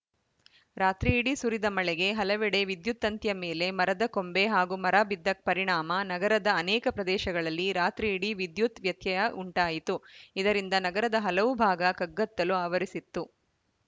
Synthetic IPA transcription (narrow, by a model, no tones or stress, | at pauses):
ɾaːt̪ɾiːɽisuɾid̪ɐmɐɭɛɡe̞ɦɐlɐʋɛɽe̞ʋid̪jut̪ːɐnt̪jɐmeːle̞mɐɾɐd̪ɐko̞mbe̞ɦaːɡumɐɾaːbid̪ːɐk̚pɐɾiɳaːmɐnɐɡɐɾɐd̪ɐːnɛːkɐpɾɐd̪ɛːʃɐɡɐɭɐlːiɾaːt̪ɾiːɽiʋid̪jut̪ʋjɐt̪jɐjɐʔuɳʈaːjit̪uid̪ɐɾind̪ɐnɐɡɐɾɐd̪ɐɦɐlɐʋubʱaːɡɐkɐɡːɐt̪ːɐluaːʋɐɾisit̪ːu